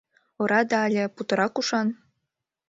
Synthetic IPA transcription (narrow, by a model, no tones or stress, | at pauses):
ŏɾɑd̪ɑːlʲĕput̪ɤ̆ɾɑkuʃɑn